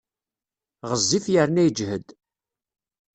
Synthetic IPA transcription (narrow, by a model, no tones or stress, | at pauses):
ʁəzːiθjəɾnæjd͡ʒhəd̪